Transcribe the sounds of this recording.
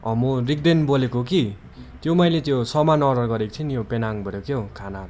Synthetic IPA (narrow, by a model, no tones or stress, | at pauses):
ʌ̰morik̚d̪enbolekoki | t̪jomʌjlet̪josʌmanʌɾʌrɡʌɾekt̪ʰinijopenaŋbʱʌɾjokjokʰana